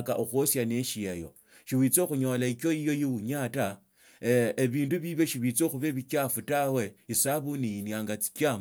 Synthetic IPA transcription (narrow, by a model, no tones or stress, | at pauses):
kaʔoxosjaneʃiejo̞̰ | ʃiwit͡so̞xuɲo̞laikjo̞ijo̞jiuɲata | eβiːnduβiβje̞ʃiβit͡soxuβeβikʲafutawe̞isaβunijinjaŋɡat͡si̥kam